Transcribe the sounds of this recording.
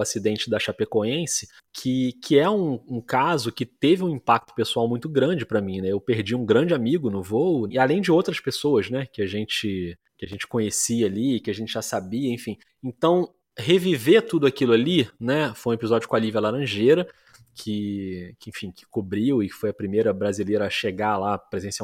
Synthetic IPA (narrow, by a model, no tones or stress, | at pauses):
asid̪ẽnt͡ʃɪd̪ɐʃapekoẽsɪ̥ | kʰɪkʰɪɛũũkazʊkɪt̪evɪũĩpak̚t̪ʊ̥pesuawmũj̃t̪ʊɡɾɐ̃d͡ʒɪpɾɐmĩnɛewpeɾd͡ʒiũɡɾɐ̃d͡ʒɪamiɡʊnʊvowʊɪalẽj̃d͡ʒɪowt̪ɾɐspesowɐznɛkɪaʒẽnt͡ʃɪ | kɪaʒẽnt͡ʃɪ̥kõɲesiɐaliɪkɪaʒẽnt͡ʃɪʒasabiɐẽfĩ | ẽnt̪ɐ̃w̃ | hevivet̪ud̪ʊakilʊalinɛfojũepizɔd͡ʒʊkõalivjalaɾɐ̃ʒejɾɐ | kʰɪkɪẽfĩkɪ̥kobɾiwɪkɪ̥fojɐpɾimejɾɐbɾazilejɾɐːʃeɡalapɾezẽsia